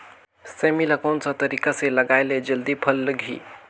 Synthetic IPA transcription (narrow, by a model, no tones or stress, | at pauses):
semiləɡawnsãt̪əɾikasẽləɡajled͡ʒəld̪ipʰəlːəɡʱḭ